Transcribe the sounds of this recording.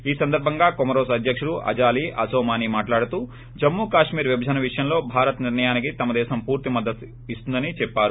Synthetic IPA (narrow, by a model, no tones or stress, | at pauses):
iːsɐnd̪ɐɾbʱɐŋɡaːkomɐɾoːsɐd̪ʱjɐkʂuɽuʔɐ̰d͡ʒaːliʔɐsoːmaːnimaːʈlaːɽut̪uː | d͡ʒɐmːuːkaːʂmiːɾʋibʱɐd͡ʒɐnɐʋiʂɐjɐmlo̞ːbʱaːɾɐt̪niɾnɳɐjaːnik̬it̪ɐmɐd̪ɛːʃɐmpuːɾt̪imɐd̪ːɐt̪ | ist̪und̪ɐnit͡ʃɛpːaːɾu